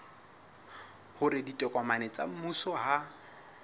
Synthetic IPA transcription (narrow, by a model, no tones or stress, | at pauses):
hʊɾɪditʼɛkʼamanet͡sʼa̰m̩musɔɦa